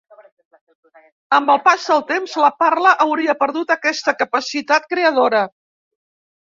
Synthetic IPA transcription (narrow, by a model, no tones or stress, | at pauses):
əmbəlˠpazðəlˠt̪emzləparləʔəwɾiəpəɾðut̪əkɛst̪əkəpəsit̪at̪̚kɾeəð̞oɾə